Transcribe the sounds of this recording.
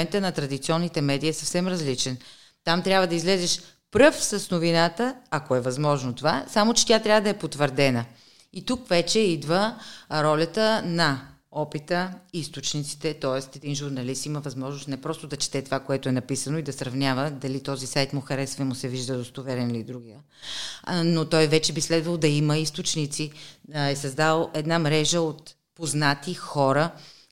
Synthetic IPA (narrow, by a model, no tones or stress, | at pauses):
ɛnt̪ənɐt̪ɾɐd̪it̪siɔnːit̪ɛmɛd̪iːsɐfsɛmɾɐzlit͡ʃɛn | t̪amt̪ɾʲabvəd̪ɐizlɛzɛʃ | pɾɤfsəsnovinat̪əɐkoɛvɐzmɔʒnot̪ovasamot͡ʃɛ̥t̪ʲat̪ɾʲavəd̪ɐɛpot̪vəɾd̪ɛnə | it̪ukvɛt͡ʃɛid̪vəɾɔlʲət̪ənɐ | ɔpit̪əist̪ot͡ʃnit̪si̥t̪ɛt̪ɔɛst̪ɛd̪inʒuɾnɐlist̪iməvɐzmɔʒnʊsnɛpɾɔst̪od̪ɐt͡ʃɛ̥t̪ɛt̪ovakoɛt̪ʊɛnɐpisənoid̪ɐsɾɐvnʲjavəd̪ɐlit̪ɔzisajt̪mʊxɐɾɛsvɛmʊsɛviʒd̪əd̪ost̪ovɛɾɛnilid̪ɾuɡijə | not̪ɔjvɛt͡ʃɛbislɛd̪vɐlˠd̪ɐiməist̪ot͡ʃnit̪siɛsɐzd̪alˠɛd̪namɾɛʒəot̪ | poznat̪ixɔɾə